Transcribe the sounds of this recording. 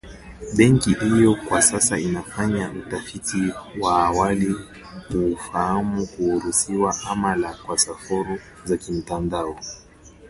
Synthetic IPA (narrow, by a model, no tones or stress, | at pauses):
ɓɛŋkihijɔkwasasainafaɲautafitiwaːwali | kufahamukuhuɾusiwaʔamalakwasafɔɾu | zakim̩tandaɔ